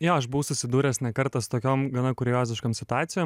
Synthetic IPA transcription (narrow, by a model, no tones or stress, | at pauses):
joːɐʃbʊʋʊsʊsʲɪd̪uːɾʲɛːsnʲɛkɐɾt̪ɐst̪oːkʲoːmɡɐnɐkʊɾʲjoːzʲɪʃkoːmsʲɪt̪ʊɑːt̪sʲɪjoːm